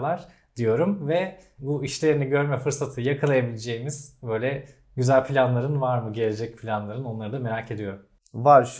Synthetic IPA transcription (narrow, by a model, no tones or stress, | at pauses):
lˠaɾ̥ | d̪̥ijo̞ɾumvɛbuiʃlʲe̞ɾiniɟø̞ɾmɛfɯɾsat̪ʰɯjakʰalˠajabilʲed͡ʒe̞jimiz̥bø̞jlʲɛ | ɟyzælʲpʰilʲanlˠaɾɯnvaɾmɯɟe̞lʲe̞d͡ʒɛc̚pʰlʲanlˠaɾɯno̞nlˠaɾɯd̪ame̞ɾacʰe̞d̪ijo̞ɾum | vaɾʃ